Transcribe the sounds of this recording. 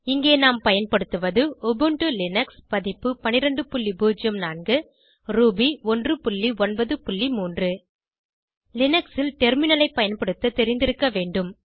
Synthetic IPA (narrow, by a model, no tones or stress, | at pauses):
ɪŋɡeːnaːmpɐjɐnpɐɽɯt̪ːɯʋɐðɯɔbɯɳʈɯlɪnɐkspɐðɪpːɯpɐnɪɾɐɳɖɯpʊɭːibuːd͡ʒɐmnaːɳɡɯ | ɾuːbiɔndrɯpʊɭːiɔnbɐðɯpʊɭːimuːndrɯ | lɪnɐksɪlʈɛɾmɪnɐlɐɪpːɐjɐnpɐɽɯt̪ːɐt̪ɛɾɪnd̪ɪɾɯkːɐʋeːɳɖɯm